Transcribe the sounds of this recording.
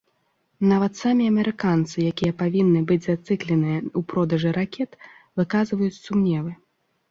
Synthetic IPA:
navɐt̪samʲiɐmʲɛɾʔɨkant̪sɨjakʲijɐpavʲinːɨbɨd͡zʲzat̪sɨklʲɛnɨjɐupɾɔd̪ɐʐɨɾakʲɛt̪ | vɨkazvɐjut͡sʲsumnʲɛvɨ

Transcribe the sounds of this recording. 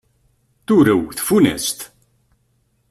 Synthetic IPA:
θuɾəwθfunæ̰st̪

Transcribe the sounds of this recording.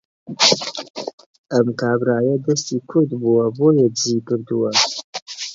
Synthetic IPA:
ʔɐmkaːbɾaːjɐd̪ɐst̪iːkʰʊɾd̪buwɐboːjɛbziːkɨɾd̪uwɐ

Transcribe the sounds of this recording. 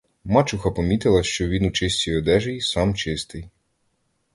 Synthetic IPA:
mɑt͡ʃʊxɐpɔmʲit̪ɪlˠɐʃt͡ʃɔʋʲinut͡ʃɪsʲt͡sʲijɔd̪ɛʒejsɑmt͡ʃɪst̪ɪj

